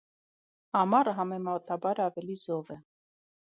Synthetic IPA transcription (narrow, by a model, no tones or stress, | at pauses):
ɑmɑɾəɦɑmɛmɑt̪ɑbɑɾɑvɛlizɔvɛ